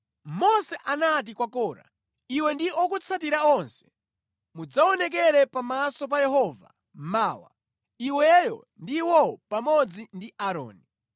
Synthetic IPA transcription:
mɔsɛʔanat̬ikwakɔːɾa̰ | iwɛndiɔkut͡sʰatiɾaɔnsɛ̥ | mud͡zaɔnɛk̬ɛɾɛpamasɔp̬ajɛɦɔːva̰ | maːwa̰ | iwɛjɔ̰ | ndiwɔpamɔd͡zindiʔaɾɔ̰ːni

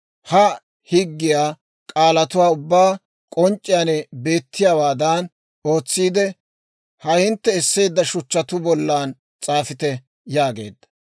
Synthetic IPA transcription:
hɐ | hɪɡːɪjaː | kʼaːlɐt̪ʊwaːʊbːaː | kʼɔnt͡ʃʼːɪjaːnɛbe̞ːt̪ːɪjaːwaːd̪an | o̞ːt͡sːiːd̪ɛ | hɐhɪnt̪ːɛɛsːe̞ːd̪ːɐʃʊt͡ʃːɐt̪ʊbɔlːaːn | t͡sʼaːfɪt̪ɛ | jaːɡe̞̰ːd̪ːɐ̥

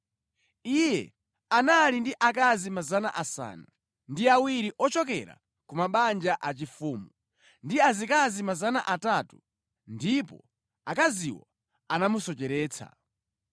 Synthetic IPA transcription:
ijɛ̰ | analindiʔakazimazana̰ʔasa̰ːna | ndiawiɾiʔɔt͡ʃɔkɛ̰ɾa̰ | kumaɓand͡ʒaʔat͡ʃifuːmu | ndiazikazimazana̰ʔatatu | ndipɔ̰ | akaziwɔ | anamusɔt͡ʃɛɾɛːt͡sʰa̰

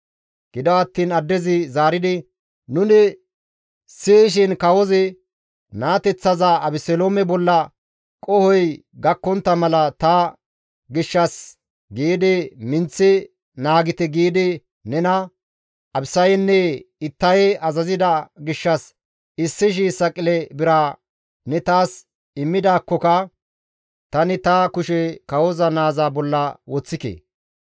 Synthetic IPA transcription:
ɡ̥ɪd̪ɔwɐt̪ːiːnɐd̪ːɛzɪzaːɾɪd̪ɪ | nʊnɪ | sɪʃ̬ɪnkɐwɔzɪ | naːt̪ɛt͡sːɐzɐɐbɪsɛloːmɛbɔlːɐ | kʼɔhɔj | ɡɐkːɔnt̪ːɐmɐlɐt̪ɐ | ɡɪʃːɐs | ɡiːd̪ɪmɪnt͡sːɪ | naːɡɪt̪ɛɡiːd̪ɪ | nɛnɐ | ɐbsɐjnːɛɪt̪ːɐjɐzɐzɪd̪ɐɡɪʃːɐs | ɪsːɪʃ̬iːsɐkʼːɪlɛbɪɾɐ | nɛt̪aːs | ɪmːɪd̪aːkːɔkɐ | t̪ɐnɪt̪ɐkʊʃɛkɐwɔzɐnaːzaːbɔlːɐwɔt͡sːɪkḛː

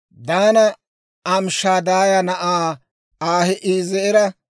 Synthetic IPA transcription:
d̪aːnɐ | ɐmʃaːd̪aːjɐnɐʔaː | aːhɛʔiːzɛʔɛɾɐ

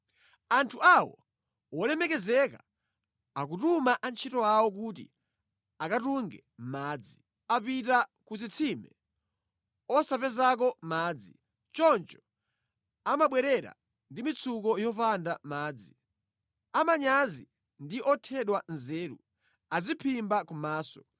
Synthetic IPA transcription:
antʰuawɔ̰ | wɔlɛmɛkɛzɛka | akutumaʔant͡ʃʰitɔawɔk̬ut̬ḭ | akatuŋɡɛ | maːd͡zi | apitakuzit͡sʰimɛ̰ | ɔsapɛzak̬ɔmaːd͡zi | t͡ʃɔnt͡ʃɔ̥ | amaɓwɛɾɛɾa̰ | ndimit͡sʰukɔjɔfandamaːd͡zi | amaɲazi | ndiʔɔtʰɛɗwanzɛːɾṵ | azipʰimbakumaːsɔ

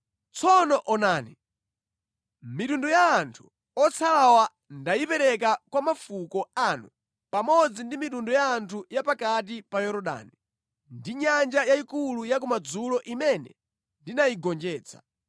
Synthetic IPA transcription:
t͡sʰɔnɔʔɔnaːni | mitundɔjaːntʰu̥ | ɔt͡sʰalawa | ndajipɛɾɛk̬akwamafukɔanu | pamɔd͡zindimitundɔjaːntʰujapakat̬ipajɔɾɔɗa̰ːni | ndiɲand͡ʒajaikulujak̬umad͡zulɔʔimɛnɛ̰ | ndinajiɡɔnd͡ʒɛːt͡sʰḁ̰

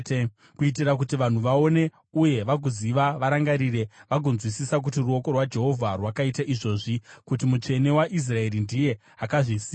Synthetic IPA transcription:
kuit̬irakutiʋan̤uʋao̞ne̞ | uje̞ʋak̬uziʋaʋaɾaŋɡaɾiɾe̞ʋaɡʱonzwisisak̬utiruoko̞rwad͡ʒe̞ɦo̞vʱarwakaitaʔiʐo̞ːʐikutimut͡ʂe̞ne̞waʔis̬rae̞ɾindije̞ | akaʐisi

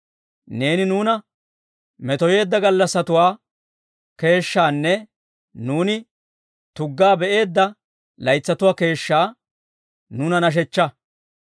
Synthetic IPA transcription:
ne̞ːnɪnuːnɐ | mɛt̪ɔje̞ːd̪ːɐɡɐlːɐsːɐt̪ʊwaː | ke̞ːʃːaːnːɛ | nuːnɪ | t̪ʊɡːaːbɛʔe̞ːd̪ːɐ | lɐjt͡sːɐt̪ʊwaːke̞ːʃːaː | nʊnɐnɐʃ̬ɛt͡ʃːɐ

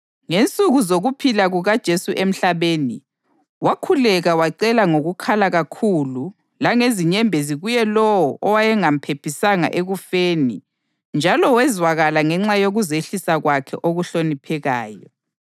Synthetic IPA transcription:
ŋent͡sʼuɣuzoɣupʰilaɣuɣad̥ʒ̥ʱesuʔem̩ɬaβeːni | wakʰulɛɣawaǀɛlaŋoɣukʰalaɣakʰulu | laŋeziɲɛmbʱeziɣujɛlɔwɔʔɔwajɛŋam̩pʰepʰisaŋa̰ʔeɣufeːni | nd͡ʒʱalɔwɛzwaɣalaŋɛŋ͡ǁajoɣuzeɬisaɣwakʰɛ̰ʔoɣuɬonipʰɛɣaːjɔ

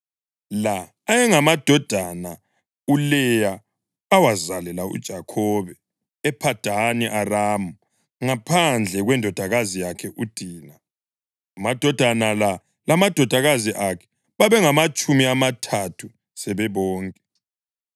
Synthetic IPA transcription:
laː | jɛŋamad̥ʱɔd̥ʱana | ulɛjaː | wazalɛlaṵd̥ʒ̥ʱakʰɔːβɛ | ɛpʰad̥ʱaniʔaraːmu | ŋapʰand͡ɮʱɛɣwɛndʱɔd̥ʱaɣazijakʰɛʔud̥ʱiːna | amad̥ʱɔd̥ʱanala | lamad̥ʱɔd̥ʱaɣaziʔakʰɛ̥ | βaβɛŋamat͡ʃʼumiamatʰatʰu | sɛβɛβɔːŋkʼɛ

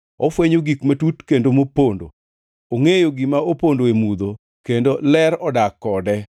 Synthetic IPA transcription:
ɔfweɲoɡikmatutkendomopondo̰ | oŋejoɡɪmaopondoemud̪o | kendolɛɾɔdakːɔdɛ

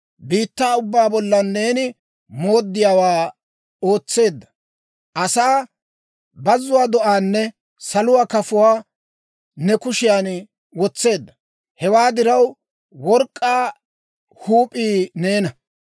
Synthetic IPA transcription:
biːt̪ːaːʊbːaːbɔlːɐnːe̞ːnɪ | mo̞ːd̪ːɪjaːwaː | o̞ːt͡sːe̞ːd̪ːɐ̥ | ʔɐsaː | bɐzːʊwaːd̪ɔʔaːnːɛ | sɐlʊwaːkɐfʊwaː | nɛkʊʃɪjaːn | wɔt͡sːe̞ːd̪ːɐ | hɛwaːd̪ɪɾɐw | wɔɾkʼːaː | huːpʼiːne̞ːnɐ

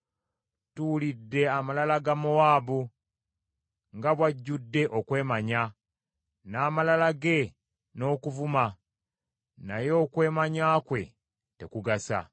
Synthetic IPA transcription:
tulidːe̞amalalaɡamowaːβu | ŋɡaβwaɟːudːe̞ʔokwe̞ːmaɲa | naːmalalaɡe̞ | no̞ːkuvuma | najo̞ːkwe̞ːmaɲaːkwe̞̰ | te̞kuɡasa̰

